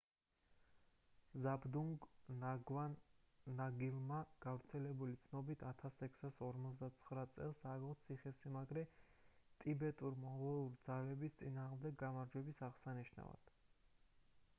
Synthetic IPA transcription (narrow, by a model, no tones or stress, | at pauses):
zabd̪uŋɡaɡvanːaɡilˠmaɡ̥avɾt̪sʰɛlɛbulit̪sʰnɔbit̪ʰat̪ʰasɛkʰsasɔɾmɔt̪sd̪at̪sʰχɾat̪sʼɛ̰lˠsaɡɔt̪sʰiχɛsimaɡɾɛ | t̪ʼibɛt̪ʼuɾimɔʁɛlˠuɾid̪zalɛbist̪sʼinaːʁmd̪ɛɡːamaɾd͡ʒwɛbisaʁsaniʃna̰va̰d̪̥